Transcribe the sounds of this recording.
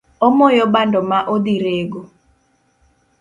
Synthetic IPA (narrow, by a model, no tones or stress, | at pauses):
ɔmɔjɔbandɔmaʔod̪iɾeɡo